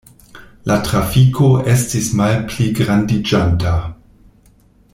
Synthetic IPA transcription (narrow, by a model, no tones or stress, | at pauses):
lʔatɾafikʰoʔestismalpliɡɾandid͡ʒanta